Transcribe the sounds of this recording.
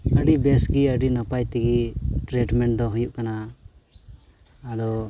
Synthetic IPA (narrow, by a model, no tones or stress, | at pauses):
əɽibɛsɡiəɖinɔpajt̪iɡiʈɾɛʈmɛɳʈ̚d̪ɔ̃ɦujuʔkana | lɔ